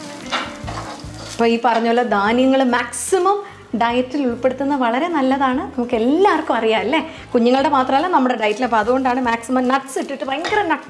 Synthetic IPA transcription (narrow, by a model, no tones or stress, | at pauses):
ɐpːoːiːpɐrɐɲːolːɐd̪aːnjɐŋːɐɭmaːksimɐm | ɖɐjtːiluɭpːe̞ɽut̪ːunːɐʋɐɭɐɾe̞nɐlːɐðaːɳɨnɐmukːe̞lːaːʋɐrkːumɐrijaːɐlːe | kuɲːuŋːɐɭɽe̞maːt̪rɐmɐlːaːnɐmːuɽe̞ɖɐjtːileɐpːoɐðuɣo̞ɳɖaːɳɨmaːksimɐmnɐʈsiʈːiʈːɨpɐjŋkɐɾɐmnɐ